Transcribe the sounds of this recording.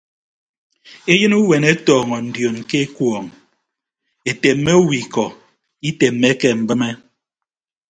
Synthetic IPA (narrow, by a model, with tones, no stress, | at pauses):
e˦jɨ˦nu˦we˨ne˦tɔː˨ŋɔ˨n̩˨djo˨nke˦e˦kwɔ˨ŋ | e˨te˨m̩ː˦e˦u˦wi˨kɔ˨ | i˦te˨m̩ː˨e˦kɛ˦m̩˨bɨ˦me˦